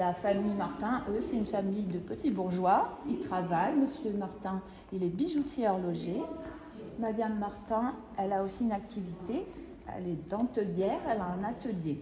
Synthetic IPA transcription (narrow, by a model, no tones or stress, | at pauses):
lafamijmaʁt̪ɛ̃ʔøsɛt̪ynfamijd̪əpət̪ibuʁʒwailt̪χavajməsjømaʁt̪ɛ̃ | ilɛbiʒut̪ʰjeɔʁlɔʒe | mad̪amːaʁt̪ɛ̃ | ɛlaosiynak̚t̪ʰivit̪e | ɛ̰lɛd̪ɑ̃t̪əljɛʁɛlaɛ̃nat̪əlje